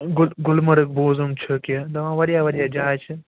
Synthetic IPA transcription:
ɡʊlɡʊlmɐɾɨk̚boːzɐmt͡ʃʰɨkid̪ɐʋãːʋɐɾijaːʋɐɽijaːd͡ʒaːt͡ʃʰi

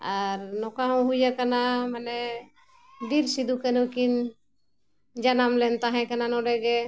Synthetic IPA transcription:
aɾnɔkaɦɔ̃ɦujakanamanɛ | ɖiɾsid̪ukɛnukin | d͡ʒanamlɛnt̪aɦɛ̃kananɔɖɛɡɛ

